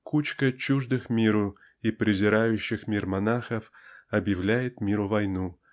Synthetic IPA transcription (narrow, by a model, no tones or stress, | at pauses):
kut͡ɕkət͡ɕuʐd̪ɨxmʲiɾʊ | ipɾʲɪzʲɪɾajʉɕːɪxmʲirmɐnaxəfɐbjɪvlʲæjɪt̪mʲiɾʊvɐjnu